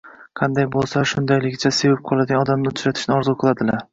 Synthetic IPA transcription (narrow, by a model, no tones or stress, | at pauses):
qʰɑnd̪ajbolˠsaʃʊnd̪ajlɪkʲt͡ʃʰasevap̚qʰɒlˠad̪ɪɡʲanɒd̪amnɪʊt͡ʃɾat̪ʰɪ̥ʃnɪɒɾzuqʰɨlˠad̪ɪlaɾ